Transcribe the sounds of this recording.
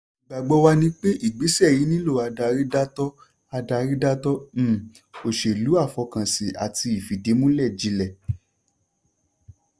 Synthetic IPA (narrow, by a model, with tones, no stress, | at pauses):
ɡ͡ba˨ɡ͡bɔ˧wa˧nĩ˦k͡pe˦ʔi˦˨ɡ͡bi˨˦sɛ˦˨ji˨˦nĩ˦lo˦˨a˧da˧ɾi˦da˦tɔ˦ | a˧da˧ɾi˦da˦tɔ˦m̩˦˨ | o˨ʃe˨lu˨˦a˦˨fɔ˧kã˨si˨ʔa̰˨ti˧i˨fi˨de˨˦mũ˦lɛ˦˨d͡ʒi˨˦lɛ˨